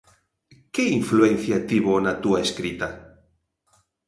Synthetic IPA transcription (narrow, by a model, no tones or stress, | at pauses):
keiɱfluen̟θjat̪iβonat̪uaeskɾit̪a